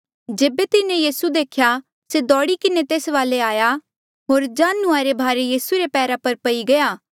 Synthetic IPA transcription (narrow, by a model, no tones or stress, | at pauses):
d͡ʒeːbet̪ɪnẽjiːsud̪eːkʰja | sed̪ɔːɽikɪnet̪eːsʋaːleaːja | ɦoːɾd͡ʒaːnʊaːɾebʱaːɾejiːsuɾepɛːɾapɐɾpɐiɡɐjaː